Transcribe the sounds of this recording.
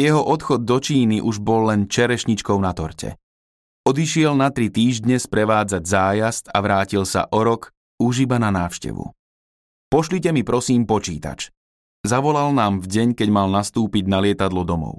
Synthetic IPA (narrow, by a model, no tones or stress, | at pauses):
jɛɦɔʔɔt̪xɔd̪̚ːɔt͡ʃiːniʔuʒbɔlːɛnt͡ʃɛɾɛʃɲit͡ʃkɔʊnat̪ɔɾcɛ̰ | ɔd̪iʃɪɛlnat̪ɾit̪iːʒd̪ɲɛspɾɛʋaːd͡zaɟzaːjast̪aʋɾaːcilsa̰ʔɔɾɔk | uʒibananaːʊʃcɛ̰ʋṵ | pɔʃlicɛmipɾɔsiːmpɔt͡ʃḭːt̪a̰t͡ʃ | zaʋɔlalnaːmvɟɛɲkɛɟmalnast̪uːpiɟnalɪɛt̪ad̪lɔd̪ɔmɔ̰ʊ